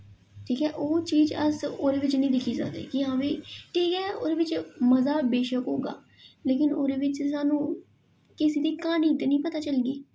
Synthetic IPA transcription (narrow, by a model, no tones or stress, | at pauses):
ʈʰiːkɛːʔoːt͡ʃiːd͡ʒəsoːɾeːʋɪt͡ʃnəĩːd̪ɪkʰiːsa̰kd̪ḛːkɪɦãːʋiːʈʰiːkɛːo̰ːɾeːʋɪt͡ʃməzaːbeːʃəkɦoːɡa̰ː | leːkɪnoːɾeːʋɪt͡ʃsaːnũː | kɪsiːd̪iːkaːniːt̪eːnĩːpət̪aːt͡ʃəlɡiː